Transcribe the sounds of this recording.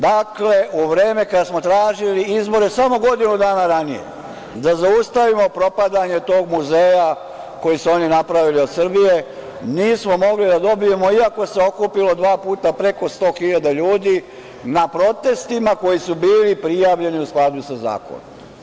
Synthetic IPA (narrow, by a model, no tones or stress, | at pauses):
d̪akle̞ʔuʋɾeːme̞kad̪asmo̞t̪ɾaːʒiliizbo̞ɾe̞samo̞ɡo̞d̪inud̪aːnaɾanije̞̰ | d̪azaust̪aʋimo̞pɾo̞pad̪aɲe̞t̪o̞ːɡmuze̞ːja | ko̞jisuo̞ninapɾaʋilio̞d̪sr̩bije̞ | niːsmo̞mo̞ɡlid̪ad̪o̞bije̞mo̞iako̞se̞o̞kupilo̞d̪ʋaːpuːt̪apɾe̞ko̞st̪o̞ːxiʎad̪aʎuːd̪iː | napɾo̞t̪e̞st̪imako̞jisubiːlipɾijaːʋʎe̞niusklˠad̪usaza̰ːko̰no̰m